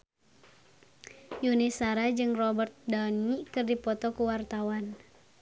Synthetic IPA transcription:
junisaɾad͡ʒɨŋrɔbərt̪̚danikɨrdipɔt̪ɔkuwart̪awan

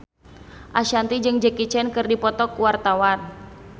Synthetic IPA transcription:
ʔaʃant̪id͡ʒɨŋd͡ʒɛkit͡ʃɛnkɨrdipɔt̪ɔkuwart̪awan

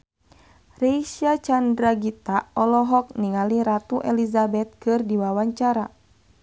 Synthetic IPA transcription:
rɛisiat͡ʃandɾaɡit̪aɔlɔɦɔk̚niŋaliɾat̪uʔɛlizabɛt̪̚kɨrdiwawaɲt͡ʃaɾa

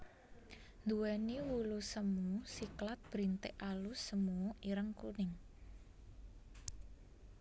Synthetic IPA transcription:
nd̪uwɛniwulusəmusiklat̪̚b̥ɾint̪eʔalusəmuɔʔiɾəŋkunɪŋ

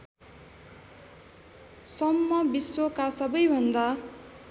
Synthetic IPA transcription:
sʌmːʌbisːokasʌbʌjbʱʌnd̪a

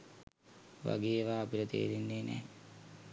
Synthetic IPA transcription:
ʋa̰ɡeːʋaːpilət̪ḛːɾinːeːnɛ̰ː

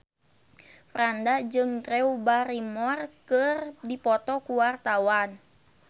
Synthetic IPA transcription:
fɾandad͡ʒɨŋt̪ɾɛubaɾimɔrkɨrdipɔt̪ɔkuwart̪awan

